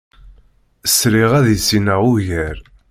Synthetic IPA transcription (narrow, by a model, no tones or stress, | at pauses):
əsɾiʁæðisinæʁuʝæɾ